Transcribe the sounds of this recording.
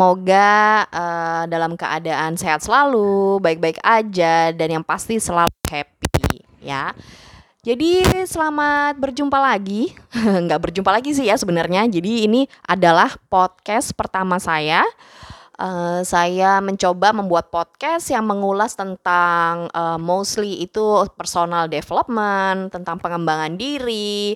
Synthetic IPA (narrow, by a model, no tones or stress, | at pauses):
moɡaədalamkəʔa̰daʔanseɦat̪̚səlalubaɪk̚baɪkad͡ʒadanjaŋpast̪isəlaluhɛpḭ | ja̰ | d͡ʒadisəlamat̪̚bərd͡ʒumpalaɡiŋɡaʔbərd͡ʒumpalaɡis̬ɪɦjasəbənarɲad͡ʒadiːniʔadalahpɔt̪̚kɛspərt̪amasaja | ʔəsajaməɲt͡ʃobaməmbuat̪̚pɔt̪̚kɛsjaŋməŋulast̪ənt̪aŋəːmosliit̪upərsonaldefələp̚mənt̪ənt̪aŋpəŋəmbaŋandiɾi